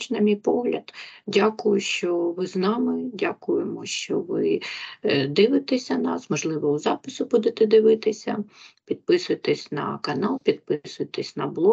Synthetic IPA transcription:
t͡ʃnɐmʲijpɔɦlʲɐ̰d̪dʲakʊjʊʃt͡ʃɔʋɪznɑmɪdʲakʊjemɔʃt͡ʃɔʋɪ | d̪ɪʋɪt̪esʲɐnɑsmɔʒlˠɪʋɔʊzɑpɪsʊbud̪et̪ɛd̪ɪʋɪt̪ɪsʲɐpʲid̪̥̚pɪsʊjet̪ɛsʲnɐ̰kɐnɑlˠpʲid̪̚pɪsʊjet̪ɛsʲnɐblˠɔ

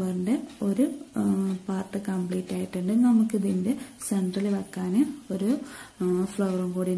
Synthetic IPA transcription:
ʋɐrndeo̞ɾu | paːrʈːɨkɐmpɭiːtːaːjiʈːuɳɖɨnɐmukːɨt̪indeseɳɖrɐlɨʋɐkːaːnɨo̞ɾu | fɭɐʋɐrumkuːɽi

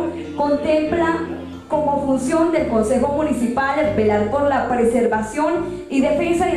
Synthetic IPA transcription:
ko̞nt̪e̞mpla | ko̞mo̞funsjo̞nd̪e̞lko̞nse̞xo̞munisipalebelaɾpo̞ɾlapɾese̞ɾβasjo̞n | iðe̞fe̞nsaðe

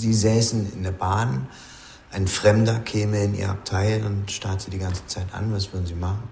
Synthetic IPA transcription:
ziːzɛːsn̩ɪ̰ndeːɐbaːn | ʔaɪnfʁ̥ɛmdɐkʰɛːməɪnʔḭːɐ̰a̰p̚tʰaɪlʊntʃtaɐtz̥iːdiɡant͡sə̥t͡saɪtʔa̰nvasv̥ʏɐdn̩ziːmaχn̩

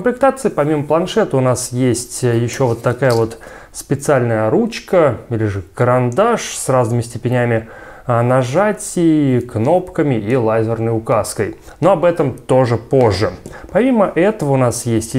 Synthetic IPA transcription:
kkəmplʲɪk̚t̪at̪sɨɪpɐmʲiməplˠɐnʂɛt̪əʊnasjesʲtʲjɪɕːo̞vo̞t̪ːɐkajəvo̞t̪ | spʲɪt̪sɨalʲnəjəɾut͡ɕkəilʲɪʐɨkəɾɐnd̪aʂsraznɨmʲɪsʲtʲɪpʲɪnʲæmʲɪənɐʐatʲɪkno̞pkəmʲɪʔilˠajzʲɪrnəjʊkaskəj | no̞ɐbɛt̪əmt̪o̞ʐɨpoʐːɨpɐmʲiməʔɛt̪əvəʊnasjesʲtʲ

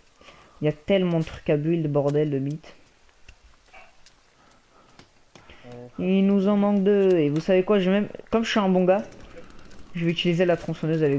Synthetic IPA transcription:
iljat̪ɛlmɑ̃d̪ət̪χy̥kabʁild̪əbɔʁd̪ɛld̪əmit̪ | ilnuzɑ̃mɑ̃k̚d̪əevusavekwaʒemɛmkɔmʒəʃyɛ̃bɔ̃ɡa | ʒəvɛyt̪ilizelat̪χɔ̃sɔnøzavɛ

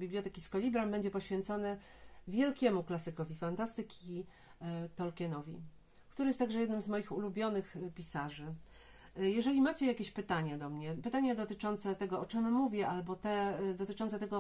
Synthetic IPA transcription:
bʲiblʲjɔt̪ɛkʲiskɔlʲibɾambɛɲd͡ʑɛpɔɕfʲjɛnt̪sɔnɛ | vʲjɛlkʲɛmuklasɘkɔvʲifant̪ast̪ɘkʲi | t̪ɔlkʲɛnɔvʲḭ | kt̪uɾɘjɛst̪aɡʐɛjɛd̪nɘmzmɔjixulubʲjɔnɘxpʲisaʐɘ | jɛʐɛlʲimat͡ɕɛjakʲeɕpɘt̪aɲad̪ɔmɲɛpɘt̪aɲad̪ɔt̪ɘt͡ʂɔnt̪sɛt̪ɛɡɔɔt͡ʂɘmːuvʲɛʔalbɔt̪ɛd̪ɔt̪ɘt͡ʂɔnt̪sɛt̪ɛɡɔ

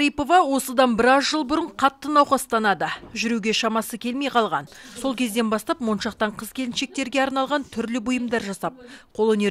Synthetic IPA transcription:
ɾijpo̞vɑwo̞səd̪ɑnbɪɾɑzʒəlˠbʊɾəɴqʰɑt̪ːənɑwχɑst̪ɑnɑd̪əʒʏɾuɡʲe̞ʃɑmɑsəkʲʰe̞lme̞jqʰɑlˠʁɑ̰nso̞lˠkʲʰe̞zd̪e̞nbɑst̪ɑpmo̞nʃɑq̚t̪ɑɴqʰəz̥kʲʰe̞lɪnʃe̞k̚t̪e̞ɾɡʲeɑɾnɑlˠʁɑnt̪ʰʏɾlɪbʊjəmd̪ɑɾʒɑsɑp̚qʰolˠɵne

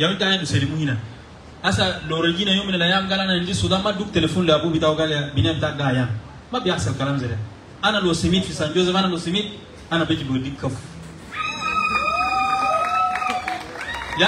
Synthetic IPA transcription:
jamitajadusedimuhina | asaloɾeɡinajominelajamɡalanand͡ʒisutamaduk̚telefonleabubitawuɡaljabinabitaɡaja | mabiaselkalamzeɾa | analosimitfisand͡ʒozeanalosimit̚ | anabed͡ʒibəɡdikːəf | ja

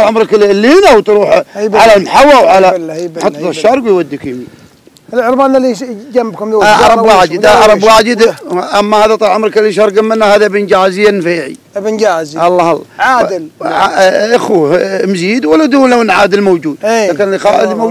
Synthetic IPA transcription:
lʕamɾɑklːiːnawt̪ɾuːħʕalalmħawːawʕalaħɑt̪ːˤɑt̪ɪʃːɑɾˤɡwijwad̪ːəkm | ɪlʕʊɾbaːnalid͡ʒamːbkʊmlːʕɑɾˤɑbwaːd͡ʒɪd̪aʕɑɾˤɑbwaːd͡ʒəd̪ʔamːahaːðat̪ˤɑlʕʊmɾˤɑkɪlːiʃ̬ɑɾˤɡamːɪnːahaːðabɪnd͡ʒaːzɪjːanfeːʕḭ | bnd͡ʒaːziʔɑlˤːɑːhɑlˤːɑ̰ʕaːdlʕaʔaxumziːd̪walːad̪uːlawnʕaːd̪ɪlmowd͡ʒuːd̪akanlxaːʔɪdmo

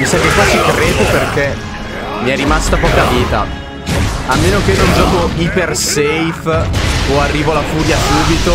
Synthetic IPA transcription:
misɛmkekwasikɾeːd̪operk̟e | miɛrːimast̪apɔkaviːt̪a̰ | amːeːnokenond͡ʒɔːkoipersejfoarːiːvoalafuːɾjasuːbit̪o

